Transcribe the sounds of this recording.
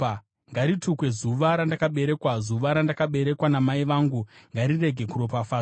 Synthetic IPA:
ŋɡaɾitukwe̞zuʋaɾandakaɓe̞ɾe̞kwazuʋaɾandakaɓe̞ɾe̞kwanamaiʋaːŋɡuŋɡaɾire̞ɡʱe̞kuɾo̞pafaː

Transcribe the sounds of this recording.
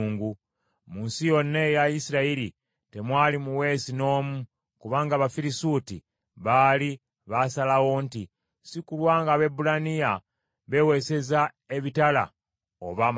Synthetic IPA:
ŋɡu | muːnsijo̞nːe̞jajisiɾaiɾi | te̞mwaːlimuwe̞ːsino̞ːmu | kuβaːŋɡaβafiɾisutḭ | βaːli | βasalawo̞nti | sikulwaːŋɡaβe̞bulanija | βe̞we̞se̞za | e̞βitala̰ | o̰βam

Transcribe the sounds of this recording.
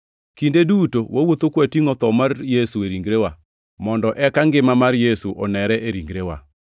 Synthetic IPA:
kindedutowʔawot̪okwatiŋɔt̪ɔmarjesueɾiŋɡɾewa | mɔndɔʔɛkaŋɡɪmamaɾjesuʔɔnɛɾɛʔeɾiŋɡɾewa̰

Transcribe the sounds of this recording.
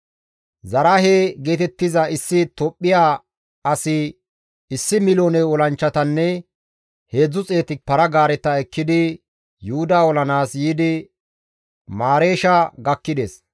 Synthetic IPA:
zɐɾaɦeːɡeːt̪ɛt̪ːɪzɐɪsːɪt̪ɔpʼːɪjaː | ɐsɪ | ɪsːɪmɪlo̞ːnɛwɔlɐnt͡ʃːɐt̪ɐnːɛ | he̞ːd͡zːʊt͡sʼe̞ːt̪ɪpɐɾɐɡaːɾɛt̪ːɐɛkːɪd̪ɪ | jʊhʊd̪aːwɔlɐnaːsjiːd̪ɪ | maːɾe̞ːʃɐɡɐkːɪd̪es

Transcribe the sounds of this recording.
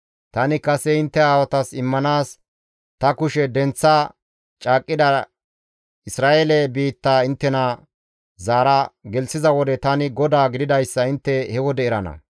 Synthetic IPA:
t̪ɐnɪkɐsɛɪnt̪ːɛaːwɐt̪ɐsɪmːɐnaːs | t̪ɐkʊʃɛd̪ɛnt͡sːa | t͡ʃʼaːkʼːɪd̪ɐ | ɪsɾaːʔelɛbiːt̪ːaːɪnt̪ːɛnɐ | zaːɾɐɡɛlsɪzɐwɔd̪ɛt̪ɐnɪɡɔd̪aːɡɪd̪ɪd̪ɐjsːɐɪnt̪ːɛhɛwɔd̪ɛɪɾɐnɐ̰

